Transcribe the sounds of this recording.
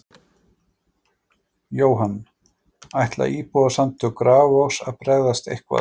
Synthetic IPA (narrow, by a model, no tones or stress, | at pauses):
joːwɦanː | ajht̪la̰ʔiːpɔðasant̪ʰʏkɾaːvowsaðpɾɛɣðast̪ḛjhkva̰